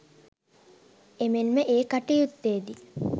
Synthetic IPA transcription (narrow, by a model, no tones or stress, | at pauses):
emenməʔeːkaʈijut̪ːeːd̪i